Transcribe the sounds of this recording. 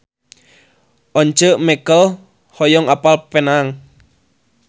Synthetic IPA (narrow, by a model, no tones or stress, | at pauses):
ʔɔɲt͡ʃəʔmɛkəl | hɔjɔŋapalpenaŋ